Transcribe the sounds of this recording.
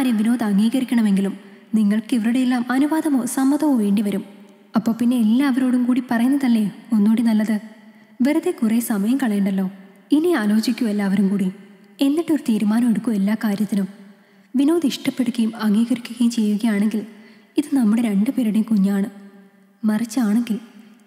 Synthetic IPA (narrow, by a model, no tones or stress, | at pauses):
aːɾjeʋino̞ːðɐŋɡiːɣɐɾikʲːɐɳɐme̞ŋɡilum | niŋːɐɭkiʋɐɾuɽeelːaːmɐnuʋaːðɐmoːsɐmːɐðɐmoʋe̞ːɳɖiʋɐɾum | ɐpːo̞ːɭpinːe̞ːlːaːɐʋɐɾo̞ːɽumkuːɽipɐrɐjunːɐðɐlːe̞o̞nːoːɽinɐlːɐðɨ | ʋeɾɐðekuresɐmɐjɐmkɐɭe̞ːɳɖɐlːo̞ːiniaːlo̞ːt͡ɕikʲːuelːaːʋɐɾumkuːɽi | e̞nːiʈːo̞ɾut̪iːɾumaːnɐmeɽukːue̞lːaːkaːɾjɐt̪ːinum | ʋino̞ːðiʂʈɐpːe̞ɽukːɐjumɐŋɡiːɣɐɾikʲːuɣɐjumt͡ɕe̞jːuɣɐjaːɳe̞ŋɡil | iðɨnɐmːuɽe̞ɾe̞ɳɖɨpeːɾuɽekuɲːaːɳɨ | mɐrit͡ɕːɨaːɳe̞ŋɡiɭ